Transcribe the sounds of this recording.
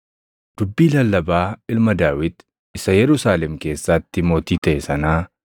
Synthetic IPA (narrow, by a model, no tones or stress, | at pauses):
d̪̥ʊbːiːlɐlːɐbaːɪlmɐd̪aːwɪd̪ | ɪsɐjɛɾʊsaːlɛmke̞ːsːaːt̪ːɪmo̞ːt̪iːt̪ɐʔɛsɐnaː